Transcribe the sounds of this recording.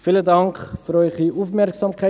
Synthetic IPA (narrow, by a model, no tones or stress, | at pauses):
fiːlədɐŋkfəɾœjχəufmærksɑːmkə